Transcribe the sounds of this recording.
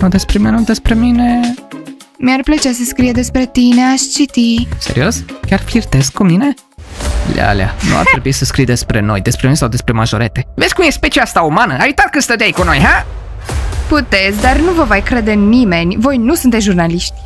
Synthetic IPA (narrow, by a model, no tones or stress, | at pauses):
nod̪e̞spɾemijanud̪espɾe̞mine | mjarplət͡ʃas̬əskɾijed̪e̞spɾe̞t̪ine̞aʃt͡ʃit̪ise̞̰ɾio̞skʲarflirt̪eskkumine̞ | l̰a̰la̰nṵa̰rt̪ɾebuisəskɾijd̪espɾeno̞̰jd̪espɾeminesawd̪espɾe̞maʒoɾḛt̪evet̪sʲkumjespet͡ʃiast̪aumanəajut̪at̪kəst̪ət̪̬ʲaikuno̞jɦa | put̪et̪sʲd̪arnuvəvajkɾed̪e̞nime̞nʲvo̞jnusunt̪esʲʒurnaliʃt̪ʲ